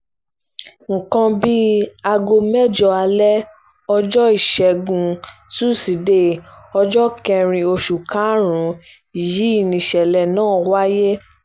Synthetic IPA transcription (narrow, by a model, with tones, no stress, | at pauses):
ŋ̩˨kã˧bi˦a˧ɡo˧mɛ˦˨d͡ʒɔ˧a˧lɛ˦ | ɔ˧d͡ʒɔ˦i˦˨ʃɛ˨ɡũ˧su˦˨si˨˦de˦˨ | ɔ˧d͡ʒɔ˦kɛ̃˧ɾ̃ĩ˧o˧ʃu˨kã˨˦ɾ̃ũ˨˦ | i˨ji˨˦i˦˨nĩ˨ʃɛ˨lɛ˨nãː˦˨wa˦je˦